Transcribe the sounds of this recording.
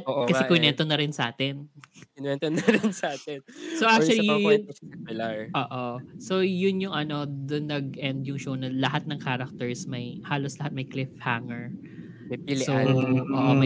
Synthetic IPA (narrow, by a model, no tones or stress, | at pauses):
oʔkɐɛkʊjnɛnt̪onɐɾɪnsɐʔaːt̪ɪnɪnɛnt̪onːɐɾɪnsɐaːt̪ɛnsowʔakt͡ʃʊwɐliʊsɛmɪlaɹʔoːʔosojʊnjʊŋʔɐno̞d̪ʊnːɐɡ̚ʔɛnd̪jʊŋʃownɐlɐɦat̪̚nɐŋkaːɾɐk̚t̪ɛɹsmɐjhaːloslɐhat̪̚mɐjklɪfhaŋɛɹ | mɐilsooːʔomɐ